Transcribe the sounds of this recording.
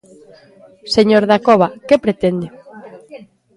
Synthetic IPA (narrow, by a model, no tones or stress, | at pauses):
seɲoɾðakɔβakepɾet̪end̪ɪ